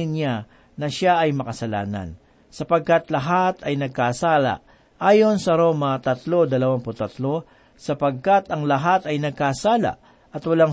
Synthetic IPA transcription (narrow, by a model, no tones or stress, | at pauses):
ɪnɲa | nɐʃaʔɐjmɐkɐsɐla̰ːnɐ̰n | sɐpɐɡ̚kat̪lɐɦat̪ɐjnɐɡ̚kasaːla̰ | ʔaːjo̞nsɐɾo̞ːmɐt̪ɐt̪lo̞d̪ɐlɐwaŋpʊt̪ɐt̪lo̞ | sɐpɐɡ̚kat̪ɐŋlɐɦat̪ɐjnɐɡ̚kaːsaːla̰ʔ | ʔɐt̪wɐlaŋ